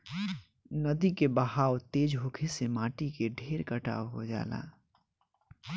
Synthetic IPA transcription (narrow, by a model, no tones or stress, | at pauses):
nəd̪ikebəɦaːwt̪eːd͡ʒɦoːkʰesemãːʈikeɖʱeːɾkəʈa̰ːʋɦo̰d͡ʒa̰ːla̰ː